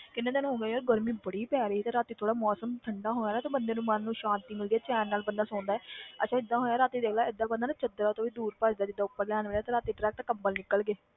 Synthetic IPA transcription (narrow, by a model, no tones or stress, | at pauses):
kɪnːẽːt̪ːñɦõːɡeːiɔːɾɡəɾmĩːbəɽiːpɛːɾeːiːt̪ẽːɾaːt̪iːt̪ʰoːɽaːmɔːsəmt̪ʰəɳɖaːɦoːaːɾaːt̪ẽːbənd̪eːnũːmənːũːʃãːnt̪imɪld̪iaːt͡ʃɛːnːaːlbənd̪aːsõːnd̪aɛːət͡ʃãːɪd̪ːãːɦoːjaːɾaːt̪iːd̪eːkʰlaːɪd̪aːbənd̪aːnãːt͡ʃəd̪ɾaːt̪oːʋiːd̪uːɾpəd͡ʒd̪aːd͡ʒɪd̪ːaːʊpːəɾlɛːnʋeːlaːt̪ːɾaːt̪iːʈɾɛːk̚t̪aːkəmbəlnɪkːəlɡeː